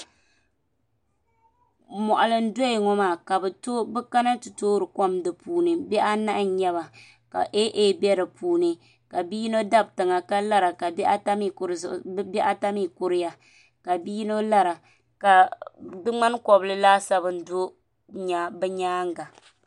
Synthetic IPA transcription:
mɔ˨ʔa˨lɨ˨n̩˦do˦i˨ŋɔ˦maː˨ka˨bɨ˨to˦bɨ˦ka˦na˦tu˨toː˦ɾɨ˨kɔ˦mdɨ˨puː˨nɨ˨bɛ˦ʔa˦na˦ʔɲɛ˦βa˨ | ka̰˨ʔe˦ʔe˦bɛ˦ɾɨ˨puː˨nɨ˨ | ka˨biː˦no˦da˦b̚tɨ˨ŋa˨ka˦la˦ɾa˨ka˨ba˦ta˦mi˦˨kɾbɛ˦ʔa˦ta˦mi˦kʊ˦ɾɪ˦ja˦ | ka˨biː˦no˦la˦ɾa˨ | ka˨dɨ˦ŋ͡ma˦n˦kɔ˨bɨ˦lɨ˦laː˦sa˦bɨ˦n̩˦do˦ | ɲa˦bɛ˦ɲaː˦ŋ˦ɡa˨

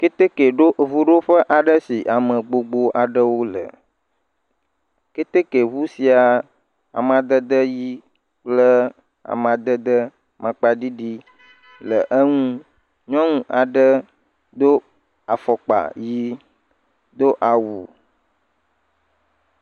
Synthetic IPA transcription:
ke˦t̪e˦ke˨ɖo˦ʔvu˦ɖo˦ɸə˦ʔa˨ɖə˦si˨ʔa˨mə̃˨ɡ͡bo˨ɡ͡bo˦ʔa˨ɖə˦wo˦lə̰˨ | ke˦t̪e˦ke˨βu˦si˨a˨ | a̰˨mã˨d̪ə˦d̪ə˦ji˦ | k͡plə˦ | a̰˨mã˨d̪ə˦d̪ə˦ | mã˨k͡pa˨ɖi˦ɖi˦ | lə˨ʔə˦ŋũ˦ | ɲɔ̃˦ŋũ˦ʔa˨ɖə˦ | d̪o˦ | a˨fɔ˨k͡pa̰˨ji˦ | d̪o˦ʔa˨wu˨

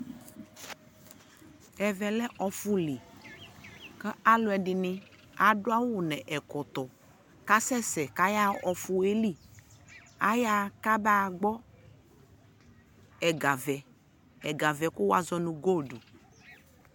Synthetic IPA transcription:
ɛ˨vɛ˨lɛ˦ʔɔ˨fu˦li˨ | kɛ˦a˦lʊ˨˦ɛ˨ɖi˨nĩ˦ | a˨ɖo˦a˦wu˨nɛ̃˨ʔɛ˨kɔ˨t̪ɔ˨ | ka˦sɛ˦sɛ˨ka˦ja˦ɔ˨fu˨e˦li˦ | a̰˦ja˦ka˦ba˦˨ɡ͡bɔ˦ | ɛ˨ɡa˨vɛ˨ | ɛ˨ɡa˨vɛ˨ku˦wa˦zɔ˦nũ˨ɡo˦ɖu˨

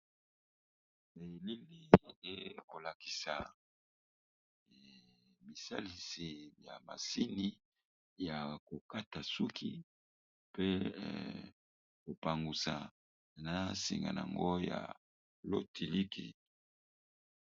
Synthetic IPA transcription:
e˨li˦li˦e˨ko˨la˨ki̥˨sa̰˨ | mi˨sa˦li˨si˨ja̰˨ma̰˨si˦ni˦ | ja˨ko˨ka˦ta˨su˦kʰi˦ | pe˦ | ko˨pa˨ŋɡu˨sa̰˨ | na˨sḭ˨ŋɡa̰˨na˨a̰˨ŋɡo˦ja̰˨ | lo˦tʰi˨li˦kḭ˨

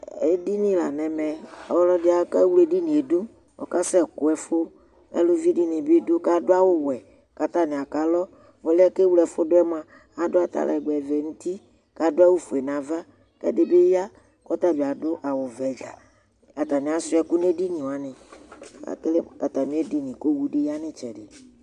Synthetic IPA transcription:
e˦di˦nĩ˨la˨nɛ̃˨mɛ˨a̰˨wɔ˦lɔ˦dɪ˦a˨˦kɛ˦wu˦le˦di˦nĩ˨e˨do˦ | wɔ̰˨ka˦sɛ˦kʊ˨˦ɛ˨fo˦ | ɛ̰˦lo˦vi˦di˦nĩ˨be˦do˦ka˦dʊ˦a˦wo˦wɛ˨ | ka˨t̪a˦nɪ˨a˨ka˦lɔ˦ | wo˨lɪ˦ɛ˦ke˦wlɛ˨fo˦dʊ˦ɛ˦m˦ã˨ | a˨dʊ˦a˨t̪a̰˨lʔa̰˨ɛ˨ɡ͡bɛ˨vɛ˨ŋu˦t̪i˦ | ka˨dʊ˦a˦wo˦fo˨e˨nã˨va˦ | kɛ̰˦dɪ˦be˦ja˦ | kɔ˦t̪a˦be˨a˨dʊ˦ʔa˨wʊ˨vɛ˨d͡ʒa̰˨ | a˨t̪a˨nɪ̃˨a˨sʊ˦ɛ˨ku˦ne˦di˦nĩ˨wa˨nɪ̃˨a̰˨ke˦le˦ka˨t̪a˨mĩ˦e˦di˦nĩ˨ko˦wu˦ɖe˦ja˦nɪ̃˦t͡ʃɛ˨dɪ˨

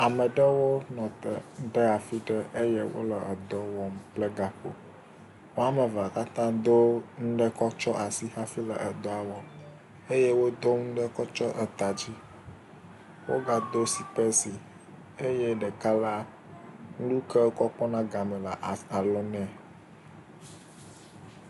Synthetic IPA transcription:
a˨mɛ˨ɖə˦wo˦nɔ̃˨t̪ə̰˨˦ɖɛ˦a˨fi˦ɖə˦ʔe˦je˦wo̰˦lə˨ə˨d̪ɔ˦wɔ˦mplɛ˦ɡa˨ɸo̰˨ | wo˦a˦mɛ˨va˨ka˦t̪ã˦d̪o˦ŋ̩˦ɖə˦kɔ˦t͡ʃɔ˦ʔa˨si˦ha˦fi˦lə̰˨ʔə˨d̪ɔ˦a˨wɔ˦ | e˦je˦wo˦d̪o˦ŋ̩˦ɖɛ˦kɔ˦t͡ʃɔ˦ʔə˨t̪a˨d͡ʑi˦ | wo̰˦ɡa˨d̪o˦si˨pɛ˦si˨ | e˦jɛ˦ɖɛ˨ka˦la˦ | ŋ̩˦lu˦kɛ˦kɔ˦k͡pɔ˦nã˦ɡa˨mɛ̃˨la˨ʔa˨lɔ˦nɛ̃˦˨

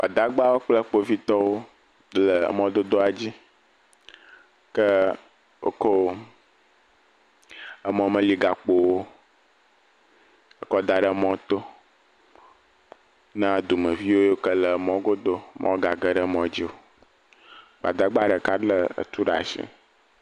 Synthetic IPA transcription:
b̥a˨d̪a˨˦ɡ͡ba˦wo˦k͡plə˦k͡po˦vi˦t̪ɔ˦wo˦ | lə̰˨mɔ̃˦d̪o˦d̪o˦a˨d͡ʑi˦ | kə˦ | wo̰˦ko˦wo˦ | ə˦mɔ̃˨mə̃˦li˨ɡa˨k͡po˨wo˦ | ə˨kɔ˦d̪a˨ɖə˦˨˦mɔ̃˦t̪o˦ | nã˦d̪u˨mə̃˨vi˦wo˦jo˦kə˦lə˨mɔ̃˦ɡo˦d̪o˦mʔɔ̰̃˦wo˦ɡa˨ɡə˦ɖə˦mɔ̃˨d͡ʑi˦wo˦ | ɡ͡ba̰˨d̪a˦ɡ͡ba˦ɖə˨ka˦lə˦ə̰˨t̪u˦ɖa̰˨ʃḭ˦

